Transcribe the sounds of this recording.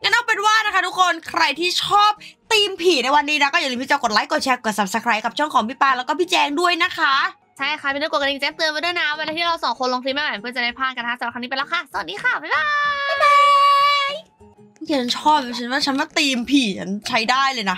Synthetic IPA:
ŋa˦˥nʔa˥˩pe˧nwaː˥˩na˦˥kʰa˦˥t̪ʰu˦˥kʰo˧nkʰɾa˧jt̪ʰiː˥˩t͡ɕʰɔː˥˩p̚t̪iː˧mpʰiː˨˩na˧jwa˧nːiː˦˥na˦˥kɔ˥˩ja˨˩lːmpi˦˥˩t͡ɕɛː˧ko˨˩t̪̚la˨˦˥jko˨˩t̪̚t͡ɕʰɛː˧ko˨˩t̚sa˨˩p̚sa˧kʰɾaː˦˥jka˨˩t͡ɕʰu˥˩əŋkʰɔː˩˦ŋpʰi˦˥˩paː˧˩lɛː˦˥wkɔː˥˩pʰi˦˥t̚t͡ɕɛː˧ŋdu˥˩əjna˦˥kʰa˦˥ʔ | t͡ɕʰa˥˩jkʰa˧˩i˧nː˦˥kka˧ʔi˧ŋt͡ɕɛː˧˦˥ŋ̚t̪ɯ˧ma˧˦da˥˩jna˧˥˩we˧laː˧t̪ʰiː˥˩ɾa˧wsɔː˨˩˦ŋkʰo˧nlo˧ŋt̪ʰi˧maː˥˩˨pɯ˥˩t͡ɕa˨˩aː˧˩pʰaː˥˩nka˧nkʰa˦˥sa˨˦a˨˩a˧niː˦˥pe˧nlɛː˦˧˥wkʰa˥˩sa˨˩niː˦˥xaː˧˥˩baː˨˩jbaː˦˥a | j | ja˨˩a˧˦˥nt͡ɕʰɔː˥˩p̚ja˧t͡ɕʰa˦˥nwaː˥˩t͡ɕʰa˦˥nmaː˥˩t̪iː˧mpʰiː˨˩t͡ɕʰa˦˥nt͡ɕʰa˦˥jdaː˥˩jlɤː˧jna˦˥

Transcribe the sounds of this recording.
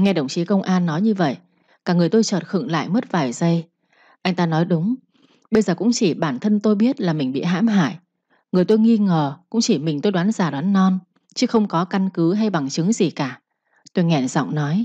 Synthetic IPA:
ŋɛ˧ɗə̰˧˩wŋ͡mt͡ɕi˨˦kə˧wŋ͡mʔaː˧nːɔ˨˦jɲɨ˧və̰˧˨jʔ | kaː˧˩ŋɨ˨˩əjt̪o˧jt͡ɕəː˨˩t̚xɨ̰˧˩ŋla̰ː˧˨jmə˦˥t̚vaː˨˩jzə˧j | ʔa˧jŋ̟t̪aː˧nɔ˨˦jɗʊ˨˦ŋ͡m | ɓə˧jzəː˨˩kʊ̰˧˥ŋ͡mt͡ɕi˧˩ɓaː˧˩nt̪ʰə˧nt̪o˧jɓi˦˥ət̚laː˨˩mï˨˩ŋ̟ɓḭ˧˨ɦa̰ː˧˥mɦa̰ː˧˨j | ŋɨ˨˩əjt̪o˧jŋi˧ŋəː˨˩kʊ̰˥ŋ͡mt͡ɕi˧˩mï̟˨˩t̪o˧jɗwaː˨˦nzaː˧˩ɗwaː˨˦nːɔ˧n | t͡ɕɨ˨˦xə˧wŋ͡mkɔ˨˦ka˧nkɨ˨˦ɦa˧jɓa˨˩ŋt͡ɕɨ˨˦ŋzi˨˩kaː˧˩ | t̪o˧jŋɛ˧˩zɔ̰˧˨wŋ͡mnɔ˨˦j

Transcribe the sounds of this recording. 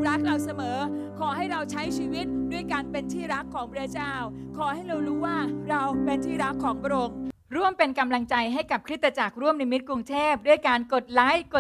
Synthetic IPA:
ɾa˦˥k̚ɾa˧wsa˧mɤː˩˦kʰɔː˩˦ha˥˩jɾa˧wt͡ɕʰa˦˥jt͡ɕʰiː˧wi˦˥t̪̚du˥˩jkaː˧npe˧nt̪ʰiː˥˩ɾa˦˥kʰːɔː˩˦ŋpʰɾa˧˥t͡ɕaː˥˩wkʰɔː˩˦ha˥˩jɾa˧wɾuː˦˥waː˥˩ɾa˧wpe˧nt̪ʰiː˥˩ɾa˦˥kʰːɔː˩˦ŋba˧ɾo˧ŋ | ɾu˥˩əmpe˧nka˧mla˧ŋt͡ɕa˧jɦa˥˩jka˨˩p̚kʰɾi˦˥t̪ːɾa˧t͡ɕa˨˩k̚ɾu˥˩əmna˧mi˦˥t̪̚kɾu˧ŋt̪ʰeː˥˩p̚du˥˩əjkaː˧nko˨˩t̪̚laː˦˥jko˨˩

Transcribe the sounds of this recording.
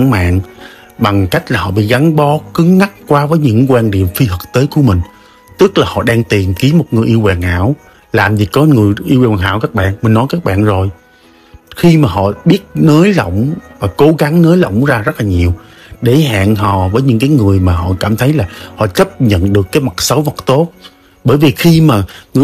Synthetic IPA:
ŋma̰ː˧˨n | ɓa˨˩ŋka˦˥jk̟̚laː˨˩hɔ̰˧˨ɓḭ˧˨ɣa˨˦ŋɓɔ˨˦kɨ˨˦əŋːa˦˥k̚kwaː˨˦vəː˨˦jɲɨ̰˧˥ŋkwaː˧nɗḭ˧˨əmfi˧hɨ˨˩k̚t̪eː˨˦jku˧˩əmï˨˩ŋ̟ | t̪ɨ˦˥k̚laː˨˩hɔ̰˧˨ɗaː˧ŋt̪i˨˩əmki˨˦əmo˨˩t̚ŋɨ˨˩jʔi˧əwkaː˨˩ŋha̰ː˧˥˨w | laː˨˩mzi˨˩kɔ˨˦ŋɨ˨˩əjʔi˧waː˨˩˨ŋha̰ː˧˥wkaː˦˥k̚ɓa̰ː˧˨nmï˨˩ŋ̟nɔ˨˦jkaː˦˥k̚ɓa̰ː˧˨nzo˨˩j | xi˧maː˨˩ɦɔ̰˧˨ɓi˦˥ət̚nəː˨˦jlə̰˧˨wŋ͡mvaː˨˩ko˨˦ɣa˨˦ŋnəː˨˦jlo̰˧˨wŋ͡mzaː˧zə˦˥t̚laː˨˩ɲi˨˩əw | ɗe˧˩ha̰ː˧˨nɦɔ̰˧˩˨vəː˨˦jɲɨ̰˧˥ŋkaː˨˦jŋɨ˨˩əjmaː˨˩hɔ̰˧˨kaː˧˩mt̪ʰə˨˦jlaː˨˩hɔ̰˧˨t͡ɕə˦˥p̚ɲə̰˧˨nɗɨ˨˩əkːaː˨˦jma˨˩t̚sə˨˦wvə˨˩t̚t̪o˦˥t̚ | ɓəː˧˩jvi˨˩xi˧maː˨˩ŋɨ̰˧˩

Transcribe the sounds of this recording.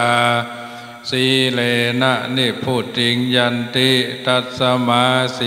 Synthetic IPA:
a˧ | si˧˦le˧na˧˩ʔni˧˩pʰu˧˩t͡ɕi˧˦ŋja˧nt̪i˦˥t̪a˧˩t̪̚sa˧ma˧˦si

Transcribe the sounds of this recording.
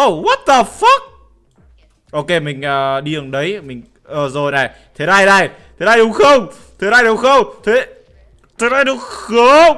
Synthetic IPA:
ʔo˧˩wə˦˥t̚t̪ə˨˩fə˦˥k̚ | ʔo˧ke˧mï˨˩ŋ̟ʔəː˨˩ɗi˧˨ə˨˩ŋɗə˨˦jmï˨˩ŋ̟ | ʔəː˨˩zo˨˩jna˨˩j | t̪ʰe˨˦na˧jna˧˩jt̪ʰe˨˦naː˧jɗʊ˨˦ŋ͡mxə˧wŋ͡mt̪ʰe˨˦na˧jɗʊ˨˦wŋ͡mxə˧wŋ͡mt̪ʰe˨˦ | t̪ʰe˨˦naː˧˩jɗɨ˨˦xə˨˦

